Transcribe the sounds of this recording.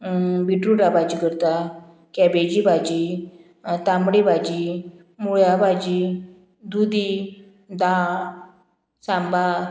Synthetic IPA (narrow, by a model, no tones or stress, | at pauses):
biʈɾuɖabad͡ʑikəɾt̪a | kɛbed͡ʑibʱad͡ʑi | t̪ãmbɽibʱad͡ʑi | muɭjabad͡ʑi | d̪ud̪i | d̪a | sãmba